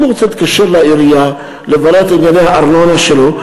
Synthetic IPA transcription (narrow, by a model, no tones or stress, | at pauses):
moɣot͡set̪kaʃeɾlaiɾija | levalat̪injanehaaɾnonaʃelo